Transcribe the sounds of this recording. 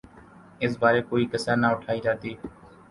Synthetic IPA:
ɪs̬baːɾeːkoːiːkəsəːnaːʊʈʰaːiːd͡ʒaːt̪iː

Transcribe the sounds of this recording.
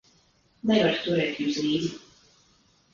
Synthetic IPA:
nɛvaɾt̪uɾɛːt̪juwsliːd̪i

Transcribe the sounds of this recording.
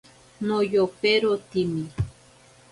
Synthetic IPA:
nojopeɾot̪imi

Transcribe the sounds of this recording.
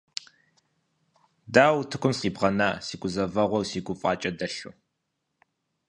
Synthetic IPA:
daːwtʰɨkʷʰʊmsqiːbʁɐnaːsiːɡʷʊzɐvɐʁʷɔwsiːɡʷʊfʼɑːt͡ʃʼɐdɐɬṵː

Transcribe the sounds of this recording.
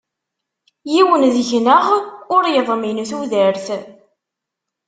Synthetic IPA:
jiwənðʝnəʁʊɾjəðˤminθuðəɾθ

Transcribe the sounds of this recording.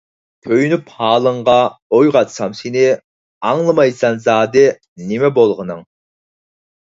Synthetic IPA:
kʲʰøjnyphɑːlˠəɴʁɑojʁɑt̪sɑmsenɪ | ɑŋlˠɨmɑjsɑnzɑːd̪ɨ | nɪmɛbolˠʁənɨŋ

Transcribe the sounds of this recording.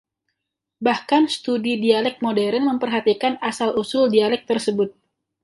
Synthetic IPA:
bahkanst̪udidialɛk̚modɛɾənməmpərɦat̪ikanasalusʊldialɛk̚t̪ərsəbʊt̪̚

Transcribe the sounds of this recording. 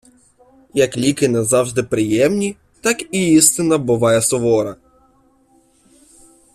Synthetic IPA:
jɐklʲikɪnɛzɑwʒd̪ɪpɾɪjɛmnʲi | t̪ɑkiist̪ɪnɐbʊʋɑjɛsɔʋɔɾɐ

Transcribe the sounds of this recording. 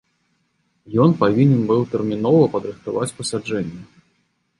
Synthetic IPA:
jɔnpavʲinʲɛnbɨwt̪ɛrmʲin̪ɔvɐpɐd̪ɾɨxt̪avat͡sʲpɐsʲad͡ʐɛnʲːɐ

